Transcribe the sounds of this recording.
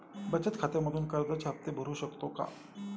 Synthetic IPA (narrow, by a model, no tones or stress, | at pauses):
bət͡ɕət̪kʰat̪eməd̪ʱuːnkəɾd̪ət͡sap̚t̪ebʱəɾuːɕəkt̪oka̰